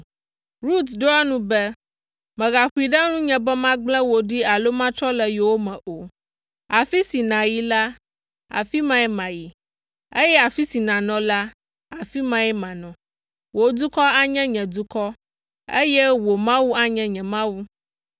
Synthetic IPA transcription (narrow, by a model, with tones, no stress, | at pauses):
ɾu˦t̪ɖo˦a˦nũ˦bɛ˦ | mɛ̃˨ɣa˨xu˦i˨ɖa˦nũ˦ɲɛ̃˨bɛ˦mã˦ɡ͡blɛ̃˦wo˨ɖi˦a˨lo˦mã˦t͡ʃɾɔ˦lɛ˨jo˨wo˦mɛ̃˨ʔo˨ | a˨fi˦si˨nã˨ji˦la˦ | a̰˨fi˦mã˦ɛ˦mã˨ji˨ | e˦jɛ˦a˨fi˦si˨nã˨nɔ̃˨la˦ | a˨fi˦mã˦ɛ˦mã˨nɔ̃˨ | wo˨d̪u˦kɔ˦a˦ɲɛ̃˦ɲɛ̃˨d̪u˦kɔ˦ | e˦jɛ˦wo˨mã˦wu˦a˦ɲɛ̃˦ɲɛ̃˨mã˦wu˦